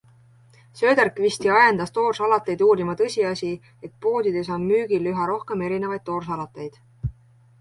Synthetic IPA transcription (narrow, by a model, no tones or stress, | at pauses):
sø̞ːd̪ærkˑvist̪iɑjend̪̥ɑst̪o̞ːrsɑlɑt̪ːˑejd̪uːɾimɑt̪ɤsʲiɑsʲi | e̞t̪̚po̞ːd̪id̪̥e̞so̞nmyːɡ̥ilːyɦɑɾo̞hke̞me̞ɾine̞vɑjd̪̥̚t̪ːo̞ːrs̬ɑlɑt̪ːˑe̞jd̪̥